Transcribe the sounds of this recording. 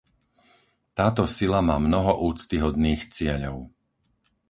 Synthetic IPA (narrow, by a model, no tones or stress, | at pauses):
t̪aːt̪ɔsilamaːmnɔɦɔʔuːt͡st̪iɦɔd̪niːxt͡sɪɛʎɔʊ